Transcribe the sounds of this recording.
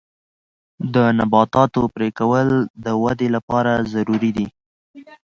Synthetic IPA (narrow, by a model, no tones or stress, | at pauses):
d̪ənabɑt̪ɑt̪opɾekawəld̪əwad̪elapɑɾazaɾuɾid̪i